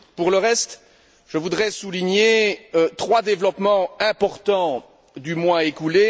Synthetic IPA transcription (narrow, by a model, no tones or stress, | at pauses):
puʁləʁɛst̪ | ʒ̥əvud̪ʁɛsuliɲet̪χwad̪evlɔpmɑ̃ɛ̃pɔʁt̪ɑ̃ | d̪ymwɛ̃ekule